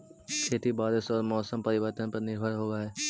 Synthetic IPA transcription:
kʰeːt̪ibaːɾɪsɔːɾmɔːsəmpɐɾɪʋəɾt̪ənpɐɾnɪɾbʱəɾɦoːʋaɦɛː

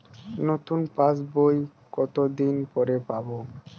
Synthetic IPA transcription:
not̪unpas̬boj | kɔt̪od̪inpɔɾepabo

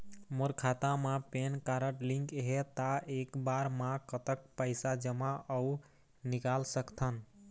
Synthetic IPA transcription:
moɾkʰat̪amãpenkaɾəʈlĩŋkɦet̪aekbaɾmãkət̪ək̚pəɪsad͡ʒəmaʔəu | nikalsəkt̪ʰən

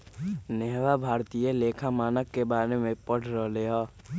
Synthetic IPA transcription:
nɛːwabʱaːɾt̪ijeleːkʰamaːnəkːebaːɾemẽpəɽ̤ʰʱɾəɦleaː

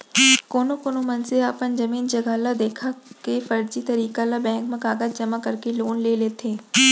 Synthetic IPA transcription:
koːnõkoːnomɐnseaːpənd͡ʒɐmiːnd͡ʒɐɡaːlad̪eːkʰakefɐɾd͡ʒit̪ɐɾiːkalabɛ̃ːŋkmɐ̃kaːɡət̪̚d͡ʒɐmakɐɾkeloːnleːleːt̪ʰeː

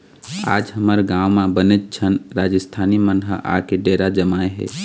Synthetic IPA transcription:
a̰ːd͡ʒɦəməɾɡãːwmãbənet̪̚t͡ʃʰənɾaːd͡ʒəst̪ʰaːnimənɦə̰ʔa̰keɖeɾad͡ʒəmaːeɦɛ̰ː

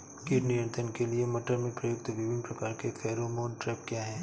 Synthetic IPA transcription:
kɪɾnijə̃nt̪ənkeliemɐʈəɾmẽpɾɐjʊk̚t̪ʋɪʋɪnpɾɐkaːɾkefʰɛːɾomoːnʈɾɛːp̚kjaːɦɛ̃ː

